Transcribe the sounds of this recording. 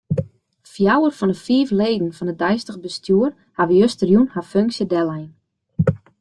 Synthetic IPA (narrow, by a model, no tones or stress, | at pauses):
fjawərfɔnəfiːfleːdn̩fɔnədɛjstəɣbəstʰjuːər | haʋəjøstərjunhaføŋksjədɛlɛjn